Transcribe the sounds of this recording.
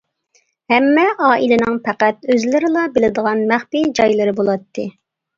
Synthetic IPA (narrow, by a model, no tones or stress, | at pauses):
hɛmːɛʔɑːʔilɪnɪŋpʰæqæt̪̚øzlɪɾɪlˠɑbɪlɪd̪əʁɑnmæχpid͡ʒɑjlˠɨɾɨbolˠɑt̪ʰːɨ